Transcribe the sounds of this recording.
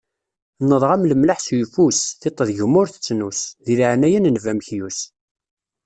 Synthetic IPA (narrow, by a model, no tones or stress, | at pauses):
nəðˤʁamləmlaħsjfusθet̪ˤːðʝəmʊɾθə̥t͡sːnusðiliʕnæjənnvæmçjus